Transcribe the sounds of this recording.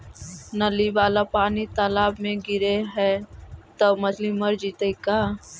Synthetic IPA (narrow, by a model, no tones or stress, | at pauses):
nɐliʋaːlapaːnit̪alaːbmẽɡɪɾeɦɛt̪əbmɐd͡ʒlimɐɾd͡ʒit̪əikaː